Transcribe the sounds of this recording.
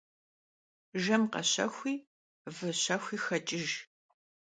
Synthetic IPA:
ʒɐmqɐ̰ɕɐ̰xʷiː | vɨɕɐxʷiːxɐt͡ʃʼɪʒ

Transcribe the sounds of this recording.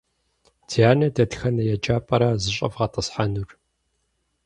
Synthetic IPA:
tʰijaːnɐdɐtxɐnɐjɛt͡ʃʼaːpʼɐɾɐzɨɕʼɐ̰fʁɐtʼəsħanur

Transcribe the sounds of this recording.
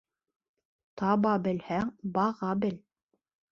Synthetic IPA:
t̪ɑbɑbɘ̆lhæŋbɑʁɑbɘl

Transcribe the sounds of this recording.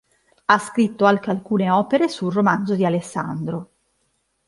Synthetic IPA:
askɾit̪ːoalkealkuːneɔːpeɾesulromand̪zod̪ialesːa̰nd̪ɾo

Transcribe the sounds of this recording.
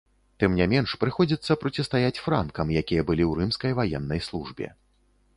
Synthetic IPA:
t̪ɨmnʲamʲɛnʂpɾɨxɔd͡zʲit̪sːɐpɾɐtʲɨst̪ajat͡sʲfɾa̰nkɐmjakʲijɐbɨlʲiwɾɨmskɐjvajɛnːɐjslˠuʐbʲɛ̰

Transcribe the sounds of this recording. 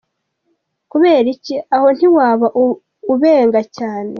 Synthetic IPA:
kuβe̞ːɾiciaho̞n̥iwaːβaʔ | uβeːŋɡacaːne

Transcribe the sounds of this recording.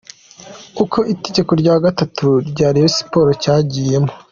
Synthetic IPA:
uko̞ʔite̞ɟe̞ko̞ɾɟaːɡatatʰuɾɟaːɾijosi̥po̞ːɾocaːɟiːje̞mo̞

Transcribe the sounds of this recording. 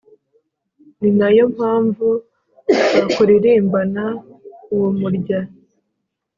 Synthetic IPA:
ninajo̞m̥haːɱvu | βakoɾiɾembanauwomuɾɟa

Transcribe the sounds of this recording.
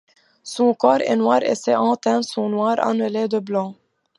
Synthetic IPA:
sɔ̃kɔʁḛnwaːʁḛsɛʔɑ̃t̪ɛ̃sɔ̃nwaːʁa̰nəled̪əblɑ̃

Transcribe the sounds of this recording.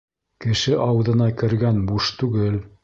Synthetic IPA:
kɘ̆ʃɘʔɑwðɤ̆nɑkɘ̆ɾɡænbuʃt̪ʉɡɘl

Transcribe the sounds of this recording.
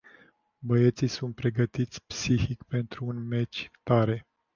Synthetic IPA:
bəet̪sisunt̪̚pɾe̞ɡət̪it̪sʲpsihikpe̞nt̪ɾuːnme̞t͡ʃʲt̪aɾe̞

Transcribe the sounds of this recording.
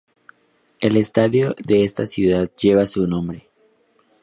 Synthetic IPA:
e̞le̞st̪aðjoðe̞est̪asjuðaðd͡ʒe̞βasunõ̞mbɾe̞

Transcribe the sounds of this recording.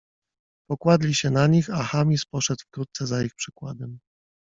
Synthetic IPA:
pɔkwad̪lʲiɕɛnaɲixaxamʲispɔʂɛd̪fkɾut̪̚t̪sɛzaixpʂɘkwad̪ɛm

